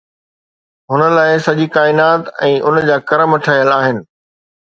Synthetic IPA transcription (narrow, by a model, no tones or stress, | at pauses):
ɦʊnə̆laːɪsɐʄikaːɪnaːt̪ɛ̃ːʔʊnd͡ʑaːkɐɾəmɐʈʰaːjəlaːɦɪnɪ̆